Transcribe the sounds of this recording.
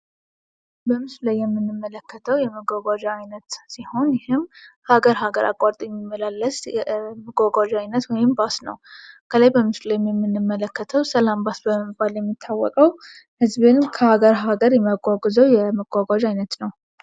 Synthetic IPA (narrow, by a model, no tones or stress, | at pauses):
bəmɨslajːɛmːɨnːɨmːələkʰːət̪ʰəwjɛməɡaɡʷad͡ʒajnət̪siho̞njɪhɨmhaɡəɾɦaɡəɾʔa̰kʼaɾt̪ʼjɛmːimːəlalːəsməɡʷaɡʷaʒajnət̪wɔjɪmbasnə̰wkʰələjbəmɨslajɛmjɛmːɨnːɨmːələkːət̪ʰəwsəlambasbəməbːaljɛmːit̪ʰːawːɔ̰kʼəw | hɨzbɨnmkʰəhaɡəɾɦaɡəɾjɛməɡʷʼaɡzəwjɛməɡ̥ʷaɡʷaʒajnət̪nəw